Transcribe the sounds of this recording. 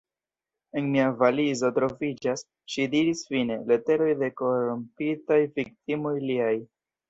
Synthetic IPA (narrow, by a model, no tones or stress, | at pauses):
e̞nmiavalizotɾo̞vid͡ʒas | ʃidiɾisfine̞le̞te̞ɾo̞jde̞ko̞ɾompitajvik̚timo̞jliaj